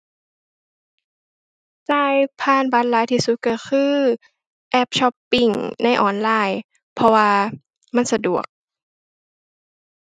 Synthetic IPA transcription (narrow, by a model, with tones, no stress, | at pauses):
saː˧˩jpʰaː˧˩˨nbaː˨˦˥t̪̚laː˨˦jt̪ʰiː˧˩su˧˦t̪̚ka˧˩xʰɯː˧˥ | ʔɛ˧˥˩p̚ɕɔ˧˥pːi˧˩ŋna˧˥˨jʔɔː˨˩nlaː˧˩j | pʰɔ˧waː˧ | ma˧˥˨nsa˧du˨˩ək̚